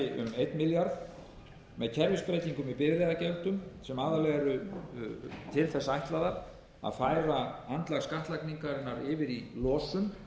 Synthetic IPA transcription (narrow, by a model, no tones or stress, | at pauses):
ɪʔʏ̰mejt̪nmɪljaɾð | mɛðcʰɛɾvɪspɾeːjt̪iŋkʏmɪðpɪɾðɾɛːðacɛlt̪ʏmsɛmaːðalɛɣaɾʏ | t̪ʰɪlθɛsːaajht̪laðaɾ | a̰ðfaːjɾaant̪laɣskaht̪lajkniŋkaɾɪnːaɾɪːvɪɾilɔːsʏm